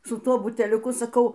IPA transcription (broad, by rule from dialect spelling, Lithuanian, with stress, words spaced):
sʊ ˈtuɔ bʊtʲɛlʲʊˈkʊ sɐˈkɐʊ